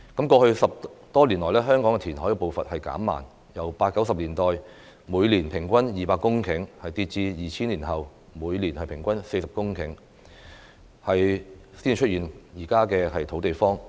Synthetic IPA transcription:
kɐ˨˥mkɔː˧hɵ˧ɥsɐ˨p̚t̪ɔː˥liː˨˩nlɔː˨˩lɛː˥ɦœː˥ŋkɔː˨˥ŋkɛ˧iː˨˩nhɔː˨˥kɛ˧po˨˧wfɐ̰˨t̚hɐ˨jka̰ː˨˥mːa̰ː˨˩n | jɐ˨˩wpaː˧t̚kːɐ˨˥wsɐ˨p̚liː˨˩nt̪ɔː˨j | muː˨˧jliː˨˩npʰɪ˨˩ŋkʷɐ˥njiː˨paː˧kʊ˥ŋkʰɪ˨˥ŋhɐ˨jt̪iː˧t̚t͡siː˧jiː˨t͡ɕʰiː˥nliː˨˩nɦɐ˨w | muː˨˧jliː˨˩nhɐ˨jpʰɪ˨˩ŋkʷɐ˥nse˧jsɐ˨p̚kʊ˥ŋkʰɪ˨˥ŋ | hɐ˨jsiː˥n˨˩t͡ʃʰɵ˥t̚iː˨˩njiː˨˩kaː˥kɛː˧hɐ˨jt̪ʰo˨˥wt̪e˨jfɔː˥ŋ

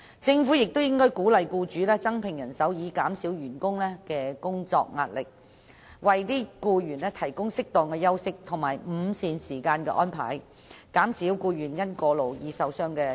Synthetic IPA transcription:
t͡sɪ˧ŋfuː˨˥jɪ˨k̚t̪o˥wjɪ˥ŋkɔː˥jkuː˨˥lɐ˨jkuː˧t͡ʃyː˨˥lɛː˥t͡sɐ˥ŋpʰɪ˨˩ŋjɐ˨˩nsɐ˨˥wjiː˨˧kaː˨˥msiː˨˥wjyː˨˩nkʊ˥ŋlɛː˥kɛː˧kʊ˥ŋt͡sɔ̰ː˧k̚ŋa̰ː˧t̚lɪ˨k̚ | wɐ˨jt̪iː˥kuː˧jyː˨˩nɛː˥t̪ʰɐ˨˩jkʊ˥ŋsɪ˥k̚t̪ɔː˨˩ŋkɛː˧jɐ˥wsɪ˥k̚t̪ʰʊ˨˩ŋmaː˨˩jm̩˨˧siː˨nsiː˨˩kaː˧nkɛː˧ʔɔː˥npʰa̰ː˨˩j | kaː˨˥msiː˨˥wkuː˧jyː˨˩njɐ˥nkɔː˧lo˨˩wjiː˨˧sɐ˨˧wsœː˥ŋkɛː˧

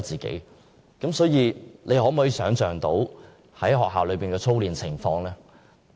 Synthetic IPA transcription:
t͡siː˨˩kḛ˨˥j | kɐ˨˥msɔː˨˥jiː˨˧lʔe˨˧jhɔː˨˥m̩˨ɔː˨˥i˨˧sœː˨˥ŋt͡sœː˨ŋt̪o˨˥w | hɐ˨˥jɦɔː˨k̚ɦaː˨wlɵ˨˧ɥpiː˨˩nkɛː˧t͡sʰo˥wliː˨nt͡sʰɪ˨˩ŋfɔː˧ŋlɛː˥

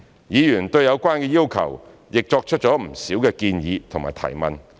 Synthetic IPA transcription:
jiː˨˧jyː˨˩nt̪ɵ˧ɥjɐ˨˧wkʷaː˥nkɛː˧jiː˥wkʰɐ̰˨˩w | jɪ˨k̚t͡ʃɔː˧k̚t͡ʃʰɵ˥t̚t͡ʃɔː˨˥m̩˨˩siː˨˥wkɛː˧kiː˧njiː˨˧t̪ʰʊ˨˩ŋmaː˨˩jt̪ʰɐ̰˨˩jmɐ̰˨n

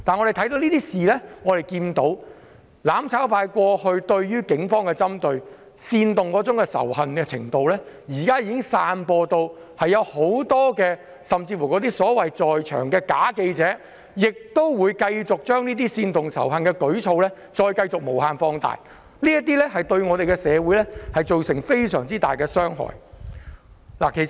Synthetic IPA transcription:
t̪aː˨nŋɔ˨˧de˨˩t̪ʰɐ˨˥jt̪o˧wniː˥t̪iː˥siː˨˩lɛː˥ŋɔː˨˧ɾe˨jkiː˧nt̪o˨˧w | laː˨˥mt͡sʰaː˨˥wfaː˧jkʷɔː˧hɵ˧ɥt̪ɵ˧ɥjyː˥kɪ˨˥ŋfɔː˥ŋkɛː˧t͡sɐ˥mt̪ɵ˧ɥ | siː˧nt̪ʊ˨ŋkɔː˨˥t͡sʊ˨˥ŋkɛː˧sɐ̰˨˩whɐ˨nkɛː˧t͡sʰɪ̰˨˩ŋt̪o˨˧wlɛː˥ | jiː˨˩kaː˥jiː˧kɪ˥ŋsaː˧npɔː˧t̪o˧w | hɐ˨jːɐ˨˧who˨˧˥wt̪ɔː˥kɛː˧ | sɐ˨mt͡siː˧fu˨˩kɔ˨˧t̪̬iː˥sɔː˨˥wɐ˨jt͡sɔː˨jt͡ʃʰœ̰ː˨˩ŋkɛː˧kaː˨˥ke˧jt͡sɛː˨˥ | jɪ˨k̚t̪o˥wwuː˨˧jkɐ˧jt͡sʊ˨k̚t͡ʃœː˥ŋniː˥t̪̬iː˥siː˧nt̪ʊ˨ŋsɐ̰˨˩wɦɐ˨nkɛː˧kɵ˨˥ɥt͡sʰo˧wlɛ˥ | t͡ʃɔː˧jkɐ˧jt͡sʊ˨k̚mo˨˩whaː˧nfɔː˧ŋt̪a̰ː˨j | liː˥jɐ˥t̪iː˥lɛ˥ɦɐ˨jt̪ɵ˧ɥŋɔː˨˧ɾe˨jkɛ˧sɛː˨˧wuː˨˥jlɛ˥hɐ˨jt͡so˨wsɪ˨˩ŋfe˥jsœː˨˩ŋt͡siː˥t̪a̰ː˨jkɛː˧sœː˥ŋɦɔ̰ː˨˩j | la̰ː˨˩kʰe˨˩

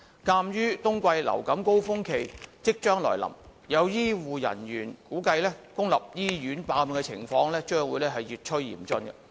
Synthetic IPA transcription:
kaː˧mjyː˥t̪ʊ˥ŋkʷɐ˧jlɐ̰˨˩wkɐ˨˥mko˥wfʊ˥ŋkʰe˨jt͡sɪ˥k̚t͡ʃœː˥ŋlɔ̰ː˨˩jlɐ̰˨˩mjɐ˨˧wjiː˥wuː˨jɐ̰˨˩nɥyː˨˩nkuː˨˥kɐ˧jlɛː˥kʊ˥ŋlɐ̰˨p̚jiː˥jyː˨˥npaː˧m˨kɛ˧t͡sʰɪ˨˩ŋfɔː˧ŋlɛː˥t͡ʃœː˥ŋwuː˨˧jlɛː˥ɦɐ˨jyː˨t̚t͡ʃʰɵː˥ḭː˨˩mt͡sɵ˧nkɐ˧

